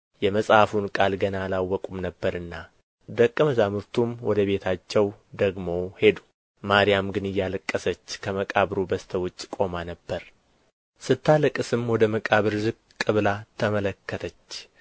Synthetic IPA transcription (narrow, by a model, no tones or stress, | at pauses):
jɛməsʼhafunkʼalɡənalawːɔkʼumnəbːəɾɨnːa | d̪əkʼːɨməzamɨɾt̪ʰumwɔd̪əβe̞t̪ʰat͡ʃːɛwd̪əɡmo̞he̞d̪u | maɾijamɡɨnɨjːaləkʼːəsət͡ʃːkʰəməkʼaβɾubəst̪ʰəwʊt͡ʃʼːkʼo̞manəbːəɾ | sɨt̪ʰːalɨkʼːɨsɨmwɔd̪əməkʼaβɨɾzɨkʼ | kʼɨβlat̪ʰəmələkːət̪ʰət͡ʃː